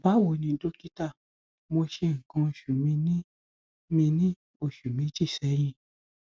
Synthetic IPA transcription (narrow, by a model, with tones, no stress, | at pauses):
ba˨˦wo˨nĩ˧˦do˦ki˦ta˦˨ | mo˧ʃe˧ŋ̩˨kã˧o˧ʃu˨mĩ˧nĩ˦ | mĩ˧nĩ˦ | o˧˨ʃu˨mĩ˨˦d͡ʒi˦˨sɛ˨˦j̃ĩ˧